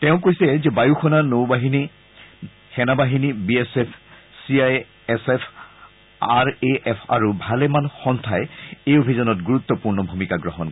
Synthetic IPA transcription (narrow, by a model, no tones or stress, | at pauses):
tɛ̃ʊ̃kojsɛzɛbajuxʰɔnanowbaɦini | xɛnabaɦinibiesepʰ | siaj | ɛsepʰ | aɹeɛpʰa̰ɹubʱalɛmanxɔntʰajejobʱizɔnɔtɡuɹut̪ːɔpuɹnɔbʱumikaɡɹɔɦɔn